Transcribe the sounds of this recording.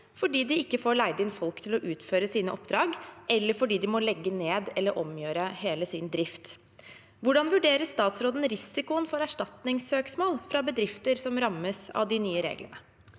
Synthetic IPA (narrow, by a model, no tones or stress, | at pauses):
fɔɖiːd̪ɪɪkːəfoːɾɭæɪd̪ɪnfɔlkt̪ʰɪlɔʔʉːt̪føːɾəsiːnəʔɔp̚d̪ɾɑːɡʔɛlːəɾfɔɖiːd̪ɪmɔlɛɡːəneːd̪ɛlːəɾʔɔmjøːɾəheːləsɪnd̪ɾɪft̪ | ʋʊɖɑnʋʉɖeːɾəst̪ɑːt̪sɾoːd̪ən̩ɾɪsɪkʊənfɔɾæʂʈɑt̪nɪŋsøːksmoːlfɾɑbəd̪ɾɪft̪əɾsɔmɾɑmːəsɑ̰ʋd̪ɪnyːəɾḛːɡlə̰nə